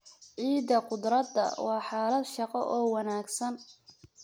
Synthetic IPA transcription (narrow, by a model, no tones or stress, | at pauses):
ʕiːd̪ɐqʊd̪ɾɐd̪ːɐ̰wɑːħɑːlɐd̪ʃɑqɔʔɔːwɑnaːɡsɐn